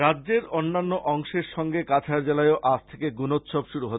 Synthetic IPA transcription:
ɾadʑeɾonːanːoʔɔŋʃeɾʃɔŋɡekat͡ɕʰaɾd͡ʑelaeoʔast̪ʰekeɡunot̪ʃobʃuɾuɦot̪

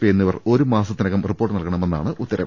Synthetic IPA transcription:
eːnːiʋɐro̞ɾumaːsɐt̪ːinɐkːɐmripːo̞ːʈːɨnɐlkɐɳɐme̞nːa̰ːɳɨʔut̪ːɐɾɐm

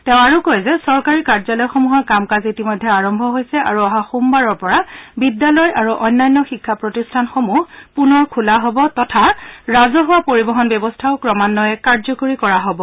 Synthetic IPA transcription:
tɛʊ̃aɹukojzɛsɔɹkaɹikaɹzalɔjxomuɦɔkamkazitimɔjdʱːɛaɹɔmbʱɔɦojsɛʔa̰ɹuaɦaxumbaɹɔɹpɔɹabidːalɔjaɹuʔɔjnːajnːɔxikʰːapɹotistʰanxomuhpunɔɹkʰulaɦɔbɔtɔtʰaɹazɔɦuwapoɹibɔɦɔnbjɛbɔstʰaʊkɹɔmanːɔjɛkaɹzɔkoɹikɔɹaɦobɔ

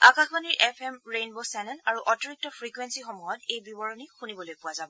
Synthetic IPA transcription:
akaxbaniɹʔɛpʰɛmɹejnbosɛnɛnaɹuʔɔtɔɹik̚tɔpɹikwensixɔmɔjɔtejbibɔɹɔnixunibɔlojpʊwazabɔ

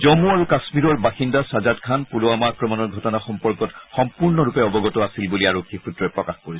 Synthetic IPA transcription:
zɔmuaɹukasmiɹɔɹbaxindasazatkʰanpulʊamaakɹɔmɔnɔɹɡʱɔtɔnaxɔmpɔɹkɔtxɔmpuɹnɔɹupɛɔbɔɡɔtɔasilbuliaɹokʰːipʰutɹɔɛpɹɔkaxpoɹisɛ

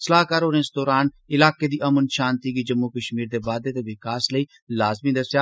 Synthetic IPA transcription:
səlaːɦkaːɾoːɾẽnsd̪oːɾaːn | ɪlaːked̪iːʔɐmənʃaːnt̪iɡiːd͡ʒɐmːukəʃmiːɾd̪eːbaːd̪eːt̪eʋɪkaːsləiː | laːzmiːd̪ɐsjaː

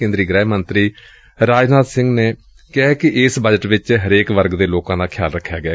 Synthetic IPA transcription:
ẽːnd̪ɾiːɡɾɛːmənt̪ɾiː | ɾaːd͡ʒnaːt̪sɪ̃ŋɡneː | kɛɦɛːkɪʔɪsbəd͡ʒəʈʋɪt͡ʃɦəɾeːkʋəɾɡd̪eːloːkãːd̪aːkʰja̰ːlɾəkʰːjaːɡɪɛː

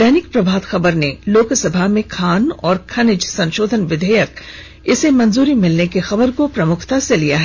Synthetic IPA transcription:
d̪ɛːnɪk̚pɾɐbʱaːd̪xɐbəɾneloːksɐbʱamẽkʰaːnɔːɾkʰɐnɪd͡ʒsɐ̃nʃoːd̪ʱənʋɪd̪ʱəjək | ɪsemɐ̃nzuːɾimɪlnekexɐbəɾkopɾɐmʊkʰt̪aselijaɦɛː

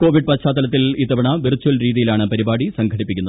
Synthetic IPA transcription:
ko̞ːʋiɖ̚pɐtɕaːt̪ːɐlɐt̪̬ːilit̪ːɐbɐɳɐʋirt͡ɕːuɐlɾiːðijilaːɳɨpɐɾibaːɽisɐŋɡʰʱɐɽipːikʲːunːɐð

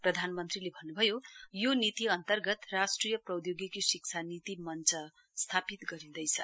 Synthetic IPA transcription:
prʌd̪ʱanmʌnt̪rilebʱʌnːubʱʌjojonit̪iʌnt̪ʌrɡʌt̪rasʈrijʌprʌwd̪joɡikisikt͡sʰanit̪imʌnt͡sʌ | st̪ʰapit̪ɡʌɾĩd̪ʌjt͡sʰʌ

